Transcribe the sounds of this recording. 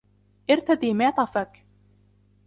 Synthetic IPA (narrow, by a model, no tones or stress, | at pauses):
ʔɪɾt̪ad̪iːmɪʕt̪ˤɑfak